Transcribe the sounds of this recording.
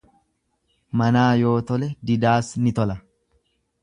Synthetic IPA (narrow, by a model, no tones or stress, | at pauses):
mɐnaːjo̞ːt̪ɔlɛd̪ɪd̪aːsnɪt̪ɔlɐ